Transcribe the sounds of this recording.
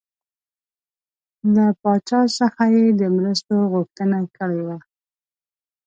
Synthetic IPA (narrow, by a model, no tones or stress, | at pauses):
lapɑt͡ʃɑsəxajed̪əmɾast̪oɣʊxt̪ənakəɽewa